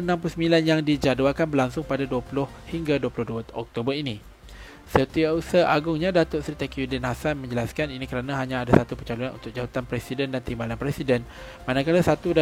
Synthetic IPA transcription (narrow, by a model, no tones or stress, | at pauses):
ənãmplʊsəmilanjaŋdid͡ʒaduakanbərlaŋsʊŋpadaduapulʊh | hiŋɡaduəpulʊhduaɔ̰k̚t̪obərinĩ | sət̪iausaʔaɡʊŋɲãdat̪oʔsɾit̪akudɛnɦasanmə̃ɲd͡ʒəlaskaninĩkəɾanãɦaɲãːdasat̪upərt͡ʃalunanʔṵnt̪ʊk̚d͡ʒawat̪anpɾɛsidɛndant̪imbalanpɾɛsidɛn | mãnakalasat̪uda